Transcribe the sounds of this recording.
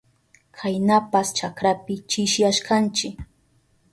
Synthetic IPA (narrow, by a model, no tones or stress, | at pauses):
kʰajnapast͡ʃakɾapɪt͡ʃɪʃjaʃkant͡ʃɪk